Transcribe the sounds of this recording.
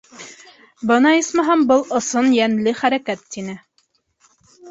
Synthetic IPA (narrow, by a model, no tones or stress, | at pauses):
bɤnɑismɑɦɑmbɤlˠŏsɤnjænlɘχæɾækæt̪ːinɘ